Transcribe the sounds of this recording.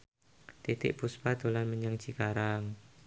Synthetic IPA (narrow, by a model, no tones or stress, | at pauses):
t̪it̪ɪ̰ʔpuspad̪olanməɲaŋt͡ʃikaɾaŋ